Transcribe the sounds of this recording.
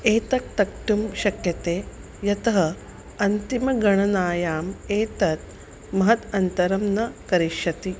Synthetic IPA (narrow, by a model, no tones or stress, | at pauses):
eːt̪ɐk̚t̪ɐk̚ʈumʃɐkjɐt̪eː | jɐt̪ɐɦɐ | ɐnt̪imɐɡɐɳ̃ɐnaːjaːmeːt̪ɐt̪̚ | mɐɦɐt̪ɐnt̪ɐɾɐmnɐkɐɾiʃjɐt̪i